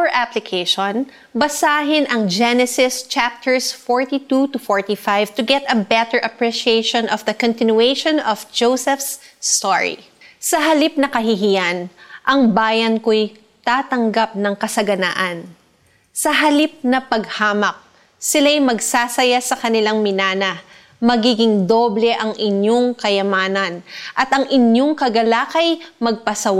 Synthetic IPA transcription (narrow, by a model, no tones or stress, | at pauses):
ʔaplɪkʰejʃon | bɐsaːɦɪnʔɐŋd͡ʒɛnɛsɪst͡ʃap̚t̪ɛɹsfɔɹt̪it̪ut̪ʊfoɹt̪ifajvt̪ʊɡɛt̪ɐbɛt̪ɛɹʔɐpɹiʃiejʃõnʔɔfd̪ɐkɔ̃nt̪ɪnjuejʃɔnɔfd͡ʒowsɛfst̪o̰ɹḭ | sɐɦɐlip̚nɐkɐɦɪɦijanʔɐŋbaːjɐnkoj | t̪aːt̪ɐŋɡap̚nɐŋkɐsɐɡɐna̰ːʔɐn | sɐɦɐlip̚nɐpɐɡhaːmɐk̚ | sɪlajmɐɡsaːsɐjasɐkɐnɪlaŋmɪnaːnɐ | mɐɡiːɡɪŋd̪o̞ːblɛʔɐŋʔɪɲjoŋkɐjɐmaːnɐnʔɐt̪ɐŋʔɪnjo̞ŋkɐɡɐlaːkɐjmɐɡ̚pɐsɐwa